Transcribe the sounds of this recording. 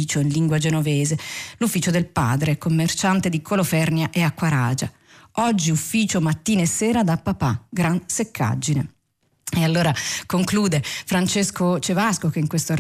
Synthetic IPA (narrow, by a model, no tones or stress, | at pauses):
iːt͡ʃoinliŋɡwad͡ʒenoveːzelufːiːt͡ʃod̪elpa̰ːd̪ɾekomːert͡ʃant̪ed̪ikʰolofɛrnjaʔɛakːwaɾa̰ːd͡ʒa | ɔd͡ʒːiufːiːt͡ʃomat̪ːiːnsːɛːɾad̪apːapaɡɾansekʰːa̰d͡ʒːine | ealːoːɾakoŋkluːd̪efɾant͡ʃeskot͡ʃevaskok̟eiŋkwest̪or